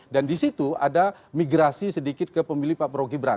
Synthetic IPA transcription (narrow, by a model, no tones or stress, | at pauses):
dandisit̪uadamiɡɾasisədikɪt̪̚kəpəmilipapəɾoɡibəɾa̰